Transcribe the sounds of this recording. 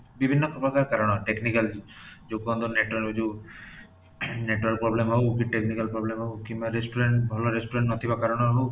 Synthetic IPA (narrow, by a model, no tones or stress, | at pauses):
bibʱinːɔkɾɔpɾɔkaɾkaɾɔɽ̃ɔʈeknikald͡ʒoɡɔnd̪ɔneʈɔɾod͡ʒu | neʈuɾaɾkpɾɔblemɦɔwkiʈeknikalpɾɔblemɦɔukimbaɾespuɾeɳʈbʱɔlɔɾespɾeɳʈnɔt̪ʰibakaɾɔɽ̃ɔɦɔɽ̃ũ